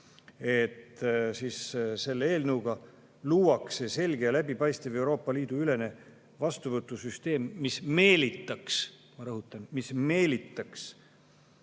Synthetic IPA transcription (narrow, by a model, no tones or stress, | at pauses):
e̞t̪ːsiːsse̞lːee̞ːlnɤwɡ̥ɑ | luːwɑksese̞lʲɡ̥ejɑlæbipɑjst̪eve̞uwɾo̞ːpːɑliːd̪̥uyle̞ne̞ | vɑst̪uvɤt̪ːˑusyst̪e̞ːmːisme̞ːlit̪ːˑɑks | mɑɾɤɦut̪ˑːɑnmisme̞ːlit̪ˑːɑks